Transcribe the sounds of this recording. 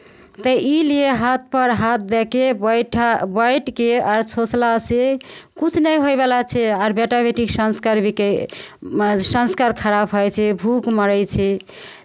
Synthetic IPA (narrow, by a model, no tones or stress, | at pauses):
t̪əʔilieɦat̪̚ʰpəɾɦat̪̚d̪ɛkeʈʰbəjʈkeaɾt͡ʃʰot͡ʃlasekut͡ʃʰnəjɦojbelat͡ʃʰɛaɾbeʈabeʈiksənskaɾbik | sə̃nskaɾkʰəɾabɦɔjt͡ʃʰɛbʱukməɾət͡ʃʰɛ